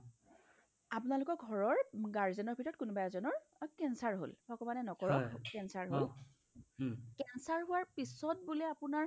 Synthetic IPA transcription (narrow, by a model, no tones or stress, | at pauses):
apʊnalʊkɔkɡʱɔɹɔɹɡaɹzɛnɔɹbʱitɔɹɔt̚kunbajazɔnɔɹ | kɛnsaɹɦo̰lbɔkɔmanɛnɔkɔɹɔkɛnsaɹɦol | kɛnsaɹɦʊwaɹpisɔt̚bulɛapʊnaɹ